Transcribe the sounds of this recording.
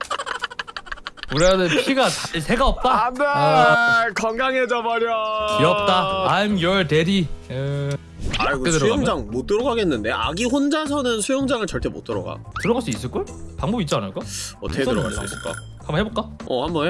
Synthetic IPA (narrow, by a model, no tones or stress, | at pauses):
uɾeadɯpʰiɡaasʰeɡaʌp̚t͈ae | kʌnɡaŋed͡ʑʌmaɾjʌiʌp̚t͈aːmjʌɭteɾi | aɡoesɾujoŋd͡ʑaŋmot͈ɯɾʌɡaɡenːɯnde̞ʔa̰ɡiɸond͡ʑas̬ʰʌnɯnsʰujʌŋd͡ʑaŋɯɭt͡ɕʌɭt͈e̞mo̰t͈ɯɾʌ̰ɡa̰tɯɾʌɡaɭs͈uis̬͈ɯɭk͈o | paŋbʌbit̚t͡ɕ͈ianɯɭk͈aʌteɯɾʌɡa̰ɭs͈uḭs͈ɯɭk͈a̰ | kʰamhebok͈aʌ̰hambʌn